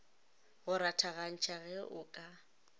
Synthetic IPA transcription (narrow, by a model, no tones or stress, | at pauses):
ɣʊɾatʰaɣan̩t͡ʃʰaɣɛʔʊkʼa